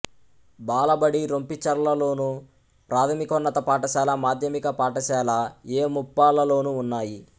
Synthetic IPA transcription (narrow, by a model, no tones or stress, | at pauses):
baːlɐbɐɽiɾompit͡ʃɐɾɐlɐlo̞ːnu | pɾaːt̪ʰɐmikɔnːɐt̪ɐpaːʈɐʃɛːlɐmaːd̪ʱjɐmikɐpaːʈɐʃɛːlɐeːmupːaːlɐlo̞ːnuːnːaːji